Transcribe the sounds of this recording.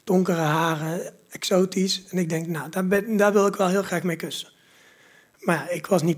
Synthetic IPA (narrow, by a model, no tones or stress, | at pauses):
d̥ʊŋkərəɦaːrə | ɛksoːtisɛnɪɡ̚dɛŋknadabdaːɹʋɪlˠɪkʋɛlˠɦɪːlˠχraːxmejkøsə̥ | maːɹɪkʋɑsnit